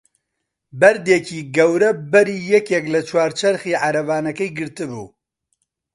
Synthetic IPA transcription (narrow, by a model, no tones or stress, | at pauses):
bɐɾd̪eciːɡɛwɾɛbɛɾiːjɛkek̬lɐt͡ʃʰwaːɾt͡ʃʰɐɾxiːʕaɾɐvaːnɐkɛjɡɨɾt̪ɨbṵː